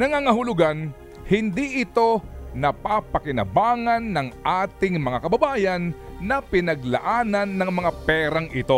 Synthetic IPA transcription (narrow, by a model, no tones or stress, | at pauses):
nɐŋaŋɐɦʊlʊɡan | hɪnd̪iʔɪt̪o̞nɐpapɐkɪnɐ̰baːŋɐnːɐŋʔaːt̪ɪŋmɐŋakɐbɐbaːjɐnːɐpɪnɐɡlɐ̰ʔaːnɐnːɐŋmɐŋapɛːɾɐŋʔɪt̪o̞